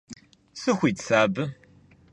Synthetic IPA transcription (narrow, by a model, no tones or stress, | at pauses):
sɨxʷit͡sʰaːbɨ